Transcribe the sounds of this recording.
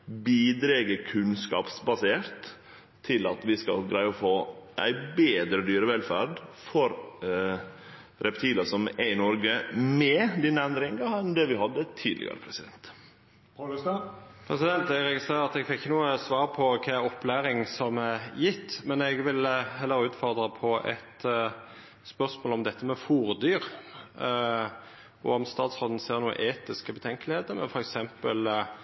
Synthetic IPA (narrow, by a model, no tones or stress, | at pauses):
biːd̪ɾɛːɡəkʰʉnskɑ̰ːpsbɑseːɾt̪ʰː | ɪlɑt̪ʋɪskɑ̰lɡɾæɪɔfoːʔæ̰ɪbeːd̪ɾəd̪yːɾəʋɛlfæ̰ɾɖfɔɾ | ɾʔɛpt̪ʰiːlɑsɔmæɪnɔɾɡəmɛd̪inəɛnd̪ɾɪŋɑɛnd̪ɛʋɪɦɑd̪ːət̪ʰiːd̪lɪ̰ɡɑ̰ɾə̰pʰɾɛsɪd̪ɛnt̪ | pʰɾɛsɪd̪ɛnt̪ɛɡɾɛɡɪst̪ɾeːɾɑt̪ɛɡfɪkːɪçːənuːəsʋɑːɾpʰɔkʰɑːæɾɔpːlæːɾɪŋsɔmɛjɪt̪ːmɛnɛɡʋɪlhɛlːəɾʉːt̪fɔɾʁd̪ɾəpʰɔʔɛ̰t̪ | spœʁsmoːlɔmd̪ɛt̪ːəmɛfuːɾd̪yːɾ | ɔ̰ɔmst̪ɑːt̪sʁoːd̪n̩seːʁnuːə̰ʔeːt̪ɪskəbət̪ʰɛŋkəlɪheːt̪əmɛ̰fɔɾɛksɛmpəl